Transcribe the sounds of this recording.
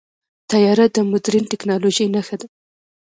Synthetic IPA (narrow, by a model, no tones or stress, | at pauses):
t̪ajɑɾat̪̚d̪əmʊd̪ɾinʈɪknɑloʒəjnaxad̪a